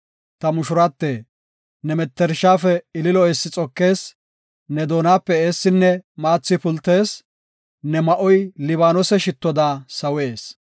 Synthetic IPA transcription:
t̪ɐmʊʃʊɾɐt̪ːeː | nɛmɛt̪ːɛɾʃaːfɛɪlɪlɔɛsːɪt͡sʼɔkːe̞ːs | nɛd̪o̞ːnaːpːɛeːsːɪnːɛmaːt͡sːɪpʊlt̪ːe̞ːs | nɛmɐʔɔjlɪβaːnɔsɛʃɪt̪ːɔd̪aːsɐwe̞ːs

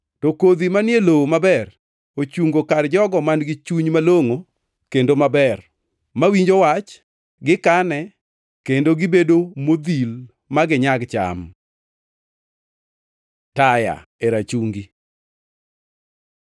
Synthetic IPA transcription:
tokod̪imanɪelowomabɛr | ot͡ʃuŋɡokard͡ʒɔɡɔmanɡɪt͡ʃuɲmaloŋo | kendomabɛr | mawiɲd͡ʒowat͡ʃ | ɡɪkanɛ | kendoɡɪbedomod̪il | maɡɪɲaɡt͡ʃa̰m | taja̰eɾat͡ʃuŋɡi

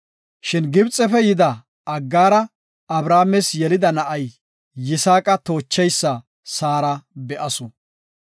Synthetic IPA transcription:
ʃɪnɡɪbt͡sʼːɛfɛjɪd̪ɐ | ɐɡːaːɾɐ | ɐbɾaːmɛsjɛlɪd̪ɐnɐʔɐjː | ɪsaːkʼɐt̪o̞ːt͡ʃːɛjsːɐ | saːɾɐbɛʔɐsɔ

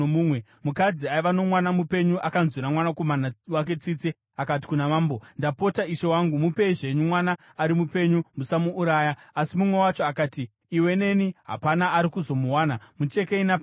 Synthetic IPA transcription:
uːmwe | mukad͡ziaiʋano̞mwanamupe̞ɲuʔakanzwiɾamwanako̞manawak̬e̞t͡siːt͡se | akat̬i̥kunamaːmbo̞ndapo̞taiʃe̞waŋɡumupe̞iʐe̞ɲumwanaːɾimupe̞ɲumusamuːɾaːjaːsimumwe̞wat͡ʃoakaːtiː | we̞ne̞niɦa̰panaaɾikuzo̞muwaːnamut͡ʃe̞keinap

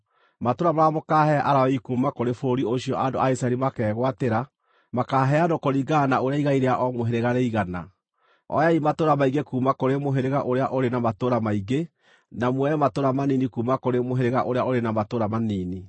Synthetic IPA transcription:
matoɾamaamokaɦɛʔaɾaikuːmakoɾefoɾioɕiɔʔando̰ʔaisaɾimakɛːɣwateɾa | makaːɦɛadokoɾiɡanaoɾeaiɣaiɾeaʔɔmoɦeɾeɣaɾeiɣana̰ | ɔ̰jaimatoɾamaiɡekuːmakoɾemoɦeɾeɣaʔoɾeaʔoɾenamatoɾamaiɡe | namwɛmatoɾamaninikuːmakoɾemoɦeɾeɣaʔoɾeaʔoɾenamatoɾamaniːni

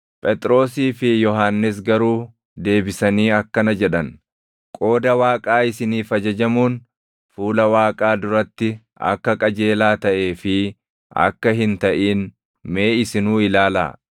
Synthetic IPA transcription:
pʼɛt̪ʼɾo̞ːsiːfɪjɔɦaːnːɪs̬ɡɐɾuː | d̪e̞ːbɪsɐniːɐkːɐnɐd͡ʒɛᶑɐn | kʼo̞ːd̪ɐwaːkʼaːɪsɪniːfɐd͡ʒɐd͡ʒɐmuːn | fuːlɐwaːkʼaːd̪ʊɾɐt̪ːɪ | ɐ̰kːɐkʼɐd͡ʒe̞ːlaːt̪ɐʔe̞ːfɪ | ɐ̰kːɐɦɪnt̪ɐʔiːn | me̞ːɪsɪnuːɪlaːla̰ː

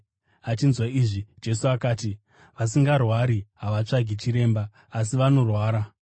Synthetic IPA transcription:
at͡ʃinzwaiːʐid͡ʒe̞suakaːti | ʋas̬iŋɡarwaɾiɦaʋat͡ʂaɡʱit͡ʃiɾe̞ːmbaː | s̬iʋano̞rwaːɾa

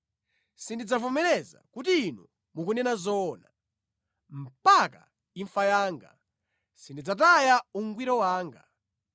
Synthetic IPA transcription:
sindid͡zavɔmɛɾɛza̰kutiːnṵ | muk̬unɛnazɔːna | m̩paka̰ | iɱfajaːŋɡa̰ | sindid͡zat̬ajauŋɡwiɾɔwaːŋɡa

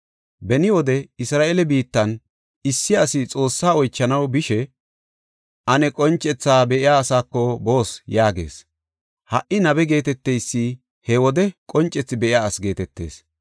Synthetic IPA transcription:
bɛnɪwɔd̪ɛɪsɾaːʔelɛbiːt̪ːɐn | ɪsːɪɐsɪt͡sʼo̞ːsːaːɔjt͡ʃːɐnɐwbɪʃɛ | ʔɐnɛkʼɔnt͡ʃʼːɛt͡sːaːbɛʔɪjaːsaːkːɔbo̞ːsjaːɡe̞̰ːs | hɐʔɪnɐbɛɡe̞ːt̪ɛt̪ːɛjsːi | hɛwɔd̪ɛkʼɔnt͡ʃʼːɛt͡sːɪbɛʔɪjaːɐsɡe̞ːt̪ɛt̪ːe̞̰ːs

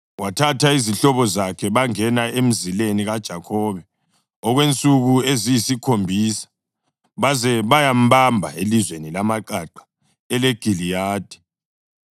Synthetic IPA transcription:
watʰatʰaiziɬɔβɔzakʰɛβaŋɛnaem̩zileniɣad̥ʒ̥ʱakʰɔːβɛ | ɔɣwent͡sʼuɣuezijisikʰombʱiːsḁ | βazɛβajam̩βambʱa̰elizwenilamaǃaǃḁ | ɛleɡ̥ʱilijaːd̥ʱɛ̥

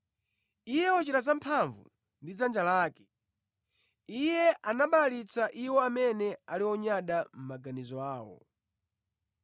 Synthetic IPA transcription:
ijɛɔt͡ʃiɾazampʰaɱvṵ | ndid͡zand͡ʒalaːkɛ̥ | ijɛʔanaɓalalit͡saʔiwɔamɛnɛaliɔɲaɗam̩maɡanizɔaːwɔ̰

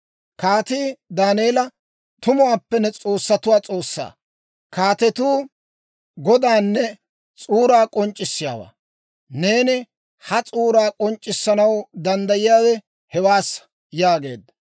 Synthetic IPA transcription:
kaːt̪iːd̪aːneːlɐ | t̪ʊmʊaːpːɛnɛt͡sʼo̞ːsːɐt̪ʊwaːt͡sʼo̞ːsːa̰ː | kaːt̪ɛt̪uː | ɡɔd̪aːnːɛ | t͡sʼuːɾaːkʼɔnt͡ʃʼːɪsːɪja̰ːwa̰ː | ne̞ːnɪ | hɐt͡sʼuːɾaːkʼɔnt͡ʃʼːɪsːɐnɐwd̪ɐnd̪ɐjɪjaːwɛ | hɛwaːs | jaːɡe̞ːd̪ɐ

